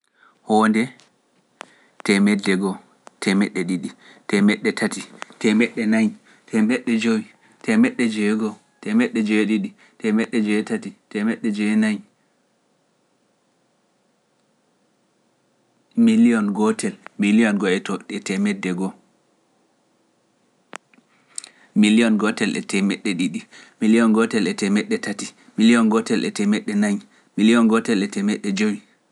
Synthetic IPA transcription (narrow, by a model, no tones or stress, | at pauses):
hɔndɛ | tɛmɛdːɛɡɔ | tʰɛmɛɗːɛɗiɗi | tɛmɛɗːɛtʰatitɛmɛɗːɛnaj | tʰɛmɛɗːɛd͡ʒowi | tʰɛmɛɗːɛd͡ʒɛɡɔ | tɛmɛɗːɛd͡ʒɛɗiɗi | tɛmɛɗːɛd͡ʒɛtatitɛmɛɗːɛd͡ʒɛnaj | miliɔnɡɔtʰɛlmilijɔnɡɔɛtɔɛtɛmɛdːɛɡɔ | miliɔnɡɔtɛlʔɛ̰tʰɛmɛɗːɛɗiɗimiliɔnɡɔtɛlɛtɛmɛɗːɛtʰati | miliɔnɡɔtɛlɛtɛmɛɗːɛnaj | miliɔnɡɔtɛlɛtɛmɛɗːɛd͡ʒowi